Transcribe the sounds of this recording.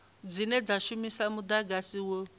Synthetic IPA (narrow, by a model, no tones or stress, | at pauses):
d͡zinɛd͡zaʃumisamud̪aɡasiwo